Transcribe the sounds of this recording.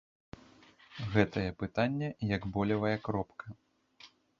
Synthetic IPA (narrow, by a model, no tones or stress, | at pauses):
ɣɛt̪ɐjɛpɨt̪anʲːɛjɐɡbɔlʲɐvɐjɐkɾɔpkʰɐ